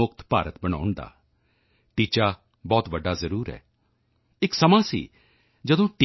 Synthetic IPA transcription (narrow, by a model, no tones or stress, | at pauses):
ʊk̚t̪pa̰ːɾət̪bəɽ̃a̰ːʊɳd̪a̰ː | ʈiːt͡ʃaː | bɔːt̪ʋəɖːaːzəɾuːɾɦɛ̰ː | ɪksəmãːsḭː | d͡ʒəd̪õːʈi